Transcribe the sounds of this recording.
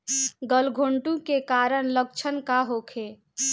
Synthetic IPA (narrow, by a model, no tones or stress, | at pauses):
ɡəlɡʱoɳʈũkekaɾəɳ̃lək̚t͡ʃʰənkaɦokʰe